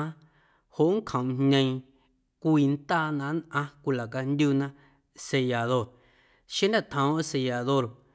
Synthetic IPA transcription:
a˦ | ho˨ʔŋ˦kʰə̃˨wnɲẽ˧ĩ˧ | kʷiː˧nt̪aː˦nã˧˦nʔã˧kʷi˧la˨ka˧nd̪ʲju˧nã˧ | se˧ja˨ðo˧ɾ | ʃẽ˦nd̪ã˦˨t̪ʰã˨õ˦se˧ja˨ðo˧ɾ

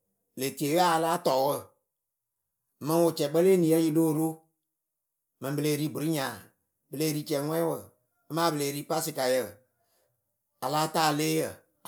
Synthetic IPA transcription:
le˨ti˨e˨˦ɣa˦a˨laː˦tɔː˨˦wə˦˨ | mɛ̃˧˦wo˨t͡ʃɛ˨ɓə˦leː˦nĩ˨jɛ˦ji˧loː˦˨ɾo˦ | mɛ̃˨ĩ˨bə˧leː˧˨ɾi˨˦bu˨ɾi˦ɲãː˨ | bə˧leː˧˦ɾi˧˦t͡ʃɛ˨˦ŋʷɛ̃˦wə˨ | a˦mãː˦bə˨leː˨ɾiː˦pa˦sɨ˨ka˨jə˨ | a˨laː˦taː˦˨leː˦jə˨

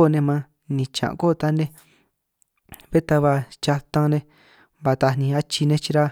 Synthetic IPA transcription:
nẽ˧mã˦ | nĩ˧t͡ʃã̰˨ʔko˦˨˧t̪a˦nẽ˦ | βe˦t̪a˧βa˧t͡ʃa˧t̪ã˧nẽ˧ | βa˧t̪a˧nĩ˧a˦t͡ʃi˧nẽ˧t͡ʃi˧ɾa˦

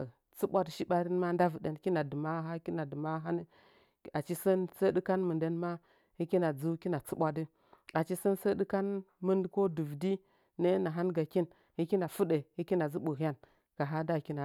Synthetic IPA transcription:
t͡su˦ɓʷa˦dʃi˦ba˦ɾi˦n˦ma˦nda˦və˨de˨n˦ki˦na˨dɨ˨ma˦ɦa˦ki˦na˨dɨ˨ma˦ɦa˦ni˦ | a˨t͡ʃi˦sə˦nsə˦di˦ka˦nmɨ˨nde˦n˦ma˦ | hi˦ki˦na˨d͡zu˦ki˦na˨t͡su˦ɓʷa˦di˦ | a˨t͡ʃi˦sə˦nsə˦di˦ka˦n | mɨ˦ndko˦du˨vdi˦ | ne˦na˨ɦa˦nɡa˨ki˦n | hi˦kʲi˦na˨fu˦de˨hi˦ki˦na˨zi˦ɓu˨ɦa˦n | ka˨ɦa˦da˦˨ki˦na˨

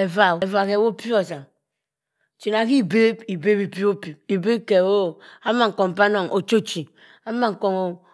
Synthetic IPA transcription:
e˨va˨e˨va˨ke˨wo˦pi˦o˨sa˨ | t͡ʃi˨na˨˦ki˦˨be˦bi˨be˦bi˨pi˦o˦pi˨i˨be˦ke˨wo˦˨a˦ma˦˨ŋ̩˨ko˨ŋ˨pa˦no˨ŋʔo˨t͡ʃo˦t͡ʃi˨ | a˦ma˦˨ŋ̩˨ko˨ŋo˨

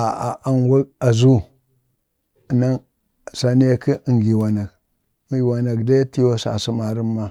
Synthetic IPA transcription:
a˨a˨ʔa˦nwa˦ka˨zu˦˨ | na˦ŋ˨ | sa˨n˦e˦ki˦ʔi˨ŋɡi˨wa˨na˨k | ŋɡi˨wa˨na˨kde˦ti˦jo˦sa̰˨si˦ma˨ɾi˦mːa˦

